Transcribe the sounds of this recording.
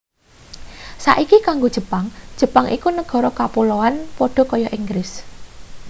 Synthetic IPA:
sa̰ʔikikaŋɡod̥ʒ̥ə̤paŋd̥ʒ̥ə̤paŋʔḭkunəɡ̥ɔ̤ɾɔkapuloanpɔɖ̥ɔ̤kɔjɔʔiŋɡɾɪs

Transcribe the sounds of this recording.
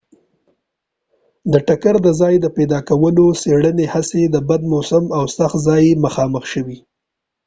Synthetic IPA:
d̪əʈakaɾd̪əzɑjd̪əpɛd̪ɑkawəloseɽənehased̪əbad̪̚mosəmawsaxzɑjməxɑməxʃəwi

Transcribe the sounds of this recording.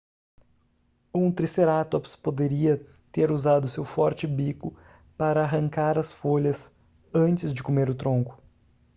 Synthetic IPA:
ũt̪ɾiseɾat̪opspod̪eɾiɐ | t̪eɾuzad̪ʊsewfɔɾt͡ʃɪbikʊ | paɾɐːɦɐ̃ŋkaɾɐsfoʎɐs | ɐ̃nt͡ʃɪzd͡ʒɪkomeɾʊt̪ɾõŋkʊ̥

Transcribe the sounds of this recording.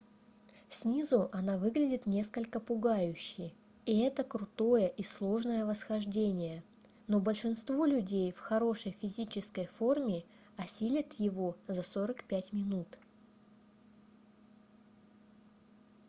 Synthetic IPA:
sʲnʲizʊʔɐnavɨɡlʲɪdʲɪt̪nʲe̞skəlʲkəpʊɡajʉɕːɪj | iɛt̪əkɾʊt̪o̞jəʔislˠo̞ʐnəjəvəsxɐʐdʲenʲɪjə | no̞bəlʲʂɨnst̪vo̞lʲʉdʲejfxɐɾo̞ʂəjfʲɪzʲit͡ɕɪskəjfo̞rmʲɪ | ɐsʲilʲɪt̪jɪvozɐsoɾəkpʲætʲmʲɪnut̪

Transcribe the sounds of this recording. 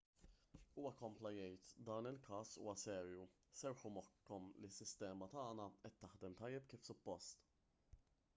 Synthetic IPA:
uːwɐkɔmplɐjɛjt̪d̪ɐːnɪlkɐːsṵːwɐsɛːɾju | sɛɾħʊmɔkːɔmlisːɪst̪ɛːmɐt̪ɐːnɐɛt̪ːɐħd̪ɛmt̪ɐjːɛpkiːfsʊpːɔst̪

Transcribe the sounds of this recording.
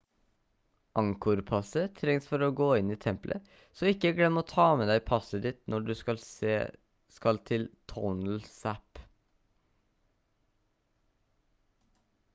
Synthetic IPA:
ʔɑŋkʊɾpʰɑsət̪ʰɾɛŋsfɔɾoːɡoːɪniːt̪ʰɛmplʔə̰ | sɔːɪkːəɡlɛmːəɔt̪ʰɑːmeːd̪æɪpʰɑsəd̪ɪt̪nɔɖʉːsɑː | skɑlt̪ʰɪlt̪ʰɔnl̩sæp

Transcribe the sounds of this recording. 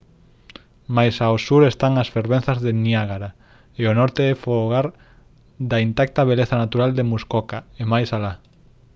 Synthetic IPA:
majsaosuɾest̪aŋasfeɾβẽn̟θazðeniaɣaɾa | eonɔɾt̪eɛfoɣaɾ | d̪aint̪ak̚t̪aβ̞eleθanat̪uɾald̪emuskokaemajsala

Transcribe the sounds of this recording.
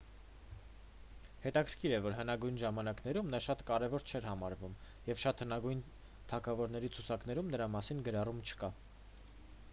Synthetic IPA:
hɛt̪ɑkʰəɾkʰiɾɛvɔɾɦənɑɡujnʒɑmɑnɑknɛɾumnɑʃɑt̪kɑɾɛvɔɾt͡ʃʰɛɾhɑmɑɾvum | jɛvʃɑt̪hənɑɡujn | t̪ʰɑkʰɑvɔɾn̪ɛɾit͡sʰut͡sʰɑkn̪ɛɾumnəɾɑmɑsinɡəɾɑrumt͡ʃʰə̥kɑ

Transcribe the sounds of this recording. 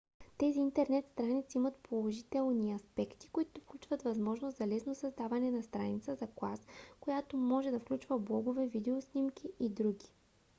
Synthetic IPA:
t̪ɛziːnt̪ɛɾnɛt̪st̪ɾanit̪siimɐt̪pʰolˠoʒit̪ɛlˠniɐspɛkt̪i̥koit̪ofklʲut͡ʃvɐt̪vɐzmɔʒnost̪zɐlɛsnosɐzd̪avɐnɛnɐst̪ɾa̰nit̪səzɐklˠaskojat̪omɔʒɛd̪ɐfklʲut͡ʃvəblˠɔɡovɛvid̪ɛosnʲimk̟ʰʲiʔid̪ɾuɡʲi̥

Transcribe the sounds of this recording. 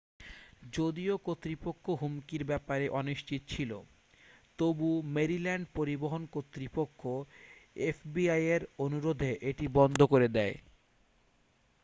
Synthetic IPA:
d͡ʑod̪iokot̪ːɾipokʰːoɦumkiɾbɛpaɾeʔɔniʃt͡ɕʰit̪ot͡ɕʰilo̰ | t̪obumeɾilɛɳɖpoɾiboɦonkot̪ːɾipokʰːoefbiajeɾonuɾod̪ʱeʔeʈibɔnd̪ʱokoɾed̪ɛe

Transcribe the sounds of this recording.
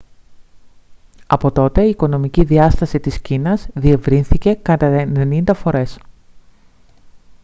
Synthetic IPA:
ɐpo̞t̪o̞t̪e̞iːko̞no̞miciðiɐst̪ɐsit̪iscinɐzðie̞vɾinθice̞kɐt̪ɐene̞nind̪ɐfo̞ɾe̞s

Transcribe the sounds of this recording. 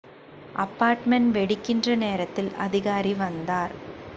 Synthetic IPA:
ʔɐpːaːɾʈmɛɳʋɛɽɪkːɪndrɐneːɾɐt̪ːɪlʔɐ̰ðɪɣaːɾiʋɐnd̪aːɾ

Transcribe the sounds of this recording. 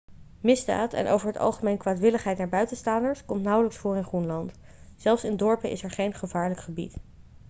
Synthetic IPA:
mɪzda̰ːtʰɛ̰nʔo̰wvəɹɦətɑ̰lˠχəmejnkʋaːtʋɪləχɦɛjtnaːɹbœɥtənstaːndəɹskɔmtnʌwləksfʊːrɪnχrunlɑnt | z̥ɛlˠfsɪndɔɹpəʔɪ̰sɛɹχejnχəvaːɹləkχəbḭt

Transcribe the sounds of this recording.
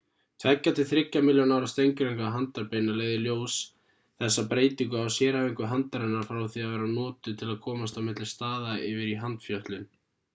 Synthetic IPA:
t̪ʰvɛcːat̪ɪθɾɪcːamɪljonawɾast̪ejŋkɾeŋkaɦant̪aɾpeːjnaleːɣðɪljoːws | θɛsːapɾeːjt̪iŋkʏawsjɛːɾaviŋkʏɦant̪aɾɛnːaɾfɾawθiaðvɛːɾanɔːt̪ʏt̪ʰɪlaðkʰɔːmast̪awmɪt̪lɪ̥st̪aːðaɪvɪɾiɦant̪fjœht̪lɪn

